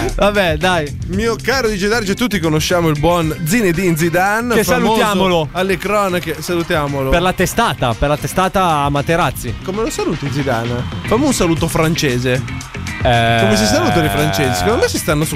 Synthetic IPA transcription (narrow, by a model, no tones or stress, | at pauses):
vabɛd̪ajmiːokaːɾod̪id͡ʒed̪aɾit͡ʃet̪ut̪ːikonoʃːaːmoilbwɔnd̪zined̪ind̪zid̪anesamlujaːmoloalːekɾɔːnakesalut̪jaːmolopeɾlat̪est̪aːt̪aperlat̪est̪aːt̪aːmːat̪ːeɾat̪sːikomelosaluːt̪ind̪zid̪a̰nfamounsaluːt̪ofɾant͡ʃeːze | ɛkomes̬isaluːt̪olefɾant͡ʃeːzesi̥kond̪omɛjsist̪anːos